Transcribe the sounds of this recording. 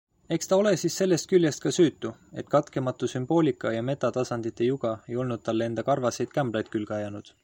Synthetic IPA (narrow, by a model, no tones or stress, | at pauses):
e̞kst̪ɑo̞le̞siːsːe̞lːe̞st̪̚kylʲjest̪̚kɑsyːt̪ːue̞̰t̪ːˑkɑt̪ke̞mɑt̪ːˑusymb̥o̞ːlʲikːˑɑjɑme̞t̪ːˑɑt̪ɑsɑnd̪̥it̪ːˑe̞juɡ̥ɑe̞jo̞lnud̪̥̚t̪ɑlːee̞nd̪ɑkɑrvɑse̞jd̪̥kæmb̥lɑjd̪̚kylɡ̥ɑjɑnud̪̥